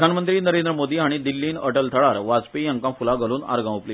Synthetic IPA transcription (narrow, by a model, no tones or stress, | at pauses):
anmənt̪ɾiːnəɾend̪ɾəmod̪iːaɽ̃id̪ilːiːnə̰ʈəlt̪ʰəɭaɾʋad͡zpijãŋkãfulãɡʱəluːna̰ɾɡãʋupli